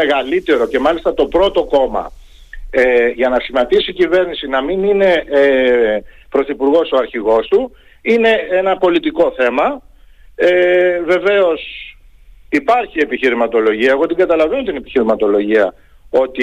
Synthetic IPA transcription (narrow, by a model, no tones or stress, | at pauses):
eɣɐlit̪e̞ɾo̞ce̞mɐlist̪ɐt̪o̞pɾo̞t̪o̞ko̞mɐ̰ | eʝɐnɐsimɐt̪isiːcive̞ɾnisinɐminine̞ | pɾo̞θipuɾɣo̞soɐɾçiɣo̞st̪u | ine̞enɐpo̞lit̪iko̞θe̞mɐ | eve̞ve̞o̞s | ipɐɾçie̞piçiɾimɐt̪o̞lo̞ʝiɐeɣo̞t̪iŋɡɐt̪ɐlɐve̞no̞t̪ine̞pi̥çiɾimɐt̪o̞lo̞ʝiɐ | o̞t̪i